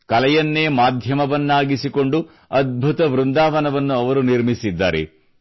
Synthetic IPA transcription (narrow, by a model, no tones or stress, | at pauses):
kɐlɛjɐnːeːmaːd̪ʱjɐmɐʋɐnːaːɡisiko̞ɳɖu | ɐd̪̚bʱut̪ɐʋɾund̪aːʋɐnɐʋɐnːuɐʋɐɾuniɾmisid̪ːa̰ːɾḛ